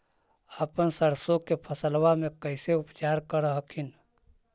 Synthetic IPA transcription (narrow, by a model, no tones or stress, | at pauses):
aːpənsəɾsokepʰəsəlwamẽkəɪseʊpt͡ʃaːɾkəɾɦəkʰɪn